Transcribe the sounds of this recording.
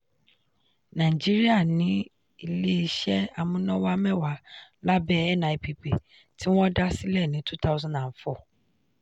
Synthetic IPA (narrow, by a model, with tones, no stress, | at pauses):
nã˨i˨d͡ʒi˦ɾi˦a˦˨nĩ˨˦ | i˨le˦i˧ʃɛ˦a˨mũ˨˦nɔ̃˦wa˦mɛ̃˦˨wa˨˦la˦bɛ˦ɛ˦nã˨i˨pi˨pe˨ | ti˦w̃ɔ̃˦da˦si˦lɛ˦˨nĩ˨˦tu˦ta˦u˦zɔ̃˦˨nã˨fɔ˦˨